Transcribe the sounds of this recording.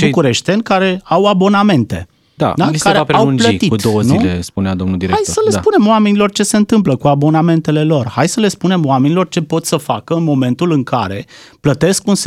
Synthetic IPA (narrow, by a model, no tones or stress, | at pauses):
bukuɾe̞ʃt̪enʲkaɾe̞awabo̞name̞nt̪e̞̰ | d̪a̰d̪aliskaɾeapaeawunpəiikud̪owənuilḛspunead̪omnuld̪iɾeajosəle̞spune̞moame̞nilo̞rt͡ʃe̞se̞ɨnt̪ɨmpləkuabo̞name̞nt̪e̞le̞lo̞rhajsəle̞spune̞moame̞nilo̞rt͡ʃe̞po̞t̪səfakəɨnmo̞me̞nt̪ulɨŋkaɾe̞ | plət̪e̞skuns